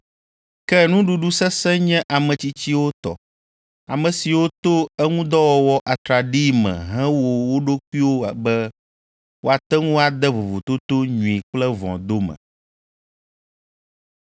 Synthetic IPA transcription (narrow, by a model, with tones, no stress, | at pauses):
kɛ˦nũ˦ɖu˦ɖu˦sɛ˦sɛ˦ɲɛ̃˦ʔa˨mɛ̃˨t͡ɕi˦t͡ɕi˦wo˦t̪ɔ̰˨ | a̰˨mɛ̃˨si˨wo˦t̪o˦ɛ˦ŋũ˦d̪ɔ˦wɔ˦wɔ˦ʔa˨t̪ɾa˨ɖi˦mɛ̰̃˨ɦɛ̃˦wo˦wo˦ɖo˦kʷu˦i˦wo˦a˨bɛ˦ | wʔo˦a˨t̪ɛ˦ŋũ˦a˨d̪ɛ˦vo˨vo̰˨t̪o˦t̪o˦ɲũ˨i˨k͡plɛ˦vɔ̰̃˨d̪o˦mɛ̰̃˨